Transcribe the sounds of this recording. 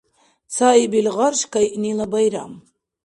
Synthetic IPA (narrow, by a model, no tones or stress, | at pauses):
t͡sʰaibilʁaɾʃkajʔnilabajɾa̰m